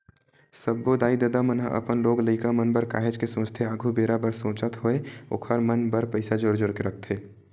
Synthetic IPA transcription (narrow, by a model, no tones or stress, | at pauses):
səbːod̪aːid̪əd̪amənɦəə̰pənloːɡləɪkamənbəɾka̰ːɦed͡ʒkesõːt͡ʃt̪ʰeaːɡʱubeːɾabəɾsõːt͡ʃət̪ɦoeo̰ːkʰəɾmənbəɾpəɪsad͡ʒoːɾd͡ʒoːɾkeɾək̚ʰt̪ʰeː